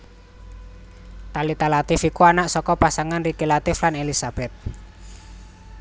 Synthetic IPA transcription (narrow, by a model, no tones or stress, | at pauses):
t̪alit̪alat̪ɪfikuanaʔsɔkɔpasaŋanrikelat̪ɪflanelisab̥ɛt̪̚